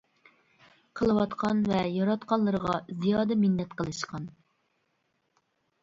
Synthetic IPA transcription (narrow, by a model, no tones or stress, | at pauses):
qʰəlˠɨwɑt̪qʰɑnvɛjɑɾɑt̪qʰɑnlˠɨɾəʁɑzijɑːd̪ɛmɪnːɛt̪qəlˠɨʃqɑn